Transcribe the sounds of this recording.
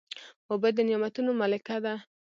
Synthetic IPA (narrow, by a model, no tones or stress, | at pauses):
wabad̪ənjamat̪unomalakad̪a